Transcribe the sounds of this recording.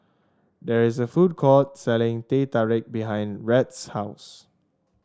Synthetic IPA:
dɛɹɪsəfud̚kʰɔt̚sɛlɪ̃ŋtetaɹɪk̚biɦãj̃nɹɛtshaʊs

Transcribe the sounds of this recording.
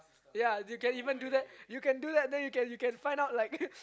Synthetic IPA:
jajukɛ̃nivə̃nduðɛt̚jukɛ̃nduðɛt̚dɛ̃njukɛ̃njukɛ̃nfãjndaʊt̚laɪk̚

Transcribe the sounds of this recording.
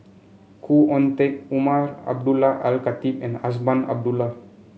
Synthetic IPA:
kʰuʔɔnt̪ɛk̚umaɾa̰b̚dulaʔalkat̪ipɛ̃nasbana̰b̚dula

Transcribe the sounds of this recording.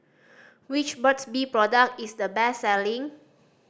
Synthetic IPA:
wit͡ʃbətsbipɹɔdək̚isdəbɛsɛlĩŋ

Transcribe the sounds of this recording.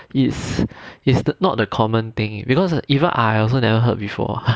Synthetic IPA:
itsitsnɔt̚dəkʰɔmə̃nt̪ɪ̃ŋbikɔsivə̃nʔa̰jɔls̬onɛvəɦət̚bifɔ̰

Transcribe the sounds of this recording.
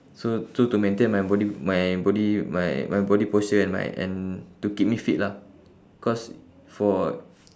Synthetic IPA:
sosotumɛ̃nt̪ẽnmajbɔdimajbɔdima̰jmajbɔdipositiɛ̃nma̰jɛ̰̃ntukip̚mifit̚la | kɔs | fɔ

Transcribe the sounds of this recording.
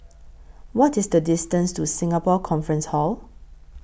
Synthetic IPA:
wɔtisdədɪstə̃nstusĩŋapɔkʰɔ̃nfɹə̃nshɔl

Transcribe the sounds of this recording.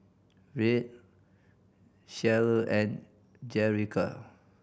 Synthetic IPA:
ɹet̚ | ʃɛləʔɛ̃n | d͡ʒɛɹikʰa̰

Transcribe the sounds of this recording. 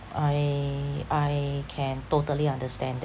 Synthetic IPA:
ajʔajkʰɛ̃ntotəliãndəstɛ̃nd

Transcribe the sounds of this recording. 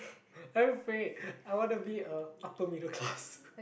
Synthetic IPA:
ãfeaɪwɔ̃nubiəapəmiɾəkʰlas

